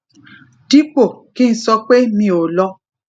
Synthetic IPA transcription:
ti˦po˦˨kĩ˦n̩˦sɔ˧k͡pe˦mĩ˧o˨lɔ˧˦

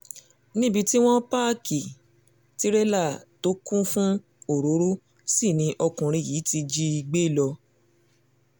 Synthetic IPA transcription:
nĩ˦bi˧ti˦w̃ɔ̃˦pa˦ki˨ | ti˦ɾɛ˦la˦˨to˦kũ˦fũ˦ | o˦˨ɾo˨˦ɾo˦ | si˦˨nĩ˧ʔɔ˧kũ˨ɾ̃ĩ˧˨jiː˨˦ti˧d͡ʒi˧i˧ɡ͡be˦˨lɔ˧

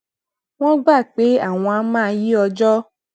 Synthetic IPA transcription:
w̃ɔ̃˦ɡ͡ba˦˨k͡pe˨˦a˦˨w̃ɔ̃˧a˨˦mãː˦˧ji˦ɔ˧d͡ʒɔ˦

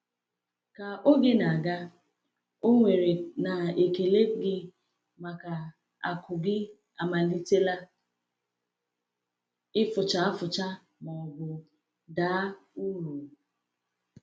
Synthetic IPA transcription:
ka˨o˦ɡe˦na˨ɡa˦ | o˦ŋʷe˨ɾe˨na˨e˨ke˨le˦ɡɪ˦ | ma˨ka˨ | a̰˨kʊ˨ɡɪ˦ | a˨ma˨li˦te˦la˦ | ɪ˦fʊ˨t͡ʃa˨a˦fʊ˨t͡ʃa˦ | mɔ˨ɡʊ˨ | daː˨˦u˦ɾu˨

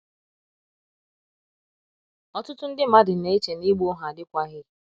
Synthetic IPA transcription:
ɔ˦tʊ˦tʊ˦n̩˦dɪ˦ma˦dɪ˨ne˨e˦t͡ʃe˨ni˦ɡ͡bu˦ʊ˦ɦa˨dɪ˦kʷa˦ɦɪ˦

